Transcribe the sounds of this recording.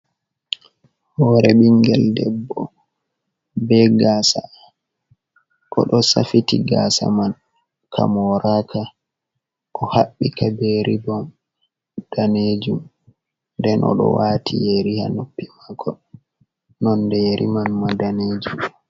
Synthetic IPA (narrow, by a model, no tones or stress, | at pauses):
hɔɾɛɓiŋɡɛldɛbːɔ | bɛɡaːsa | ʔɔɗɔsafitiɡaːsaman | kʰa̰mɔɾʔaːka | ʔɔhaɓːikʰabeɾʔibɔm | d̥aned͡ʒum | ndɛnʔɔ̰ɗɔ̰waːtʰijeɾiha̰nopːimakʰɔ | nɔndɛɾimanmadaned͡ʒum